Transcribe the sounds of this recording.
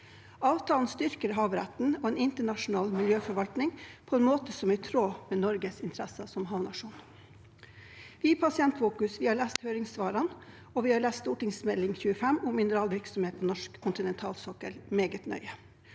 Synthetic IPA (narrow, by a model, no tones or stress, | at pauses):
ɑːʋt̪ʰɑːln̩st̪ʏɾkəɾɦɑːʋɾæ̰t̪n̩ɔeːnɪnt̪əɳɑʂʊn̩ɑːlmɪljøːfɔɾʋɑlt̪nɪŋpʰɔɛːnmoːt̪əsɔmæt̪ʰɾoːmeːnɔɾɡəsɪnt̪ʰɾæsəsɔmɦɑːʋnɑʂuːn | ʋɪpʰɑsɪɛnt̪fuːkʉsʋɪːhɑːɭæːst̪hœʏɾɪŋsʋɑːɾɑn | ɔʋiːhɑːɾɭæːsst̪uːʈɪŋsmɛdlɪŋçʉːəfɛmʊmːɪnəɾɑːlʋɪɾksɔmheːt̪̚pʰɔnɔʂkkʰːʊnt̪ɪnɛnt̪ʰɑːlsɔkə̰lmeːɡət̪nœ̰ʏə